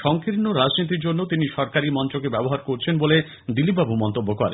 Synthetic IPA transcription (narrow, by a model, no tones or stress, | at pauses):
ʃɔŋkiɾnːoɾad͡ʑnit̪̬iɾd͡ʑonːot̪iniʃɔɾkaɾimɔnt͡ɕokebɛboɦaɾkoɾt͡ɕʰenbole | d̪ilip̚babumɔnt̪obːokɔɾḛ